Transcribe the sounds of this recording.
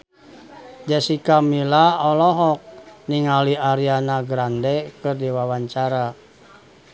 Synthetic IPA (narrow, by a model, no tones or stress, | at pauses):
d͡ʒasikamilaɔlɔɦɔk̚niŋaliaɾianaɡɾandɛkɨrdiwawaɲt͡ʃaɾa